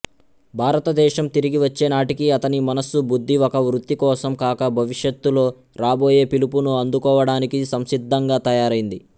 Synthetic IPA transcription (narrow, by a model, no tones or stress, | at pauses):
bʱaːɾɐt̪ɐd̪ɛːʃɐmt̪iɾiɡiʋɐt͡ʃːe̞ːnaːʈikiɐt̪ɐnimɐnɐsubud̪ʱːiɔkɐʋɾut̪ːikɔːsɐmkaːkɐbʱɐʋiʂjɐt̪ːulo̞ː | ɾaːbo̞ːje̞ːpilupunuɐnd̪ukɔːʋɐɽaːnikisɐmsid̪ʱːɐŋɡaːt̪ɐjaːɾɐjind̪i